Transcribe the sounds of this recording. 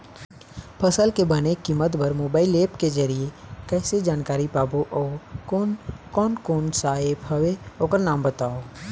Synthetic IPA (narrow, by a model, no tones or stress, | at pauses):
pʰəsəlkebənekimət̪bəɾmoːbaːɪleːpked͡ʒəɾiekɛːsed͡ʒaːnkaːɾipaːboʔɔː | kɔːnkoːnsaːɪbɦəeoːkəɾnaːmbət̪aːoː